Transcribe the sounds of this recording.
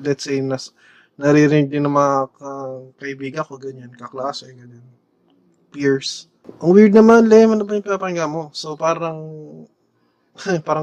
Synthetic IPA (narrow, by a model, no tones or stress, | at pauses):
lɛt̪sɛjnɐs | nɐɾiɾɪn̚d̪ɪnːɐŋmɐŋakɐkɐʔɪbiːɡɐko̞ɡɐɲankɐklaːsɛɡɐɲan | piɹs | ʔɐŋwiɹd̪̚nɐmanlɐhmɐnɐbajʊŋpɪnapɐŋɡamo̞so̞paːɾɐŋ | paːɾɐ